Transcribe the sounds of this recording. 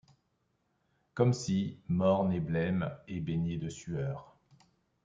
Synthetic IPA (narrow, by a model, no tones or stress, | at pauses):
kɔmsimɔʁneblɛmebeɲed̪əsyœːʁ